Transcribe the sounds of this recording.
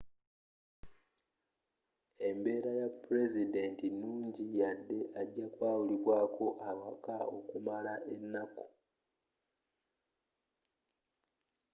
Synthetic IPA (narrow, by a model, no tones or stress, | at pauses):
e̞mbe̞ːɾajapːuɾe̞zide̞ntinuːɲɟijadːe̞ʔaɟːakwaːwuliβwaːko̞ʔawakao̞̰kumalaʔe̞nːako̥